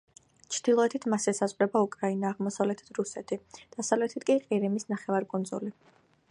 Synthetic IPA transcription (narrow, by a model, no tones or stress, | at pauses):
t͡ʃʰd̪̥ilˠɔɛt̪ʰit̪ʰmasɛsazʁɾɛbaukʼɾainaːʁmɔsavlɛt̪ʰi̥d̪ʰɾusɛt̪ʰid̪̥asavlɛt̪ʰit̪ʰkʼiqʼiɾimisnaχɛvaɾkʼɔnzɔ̰li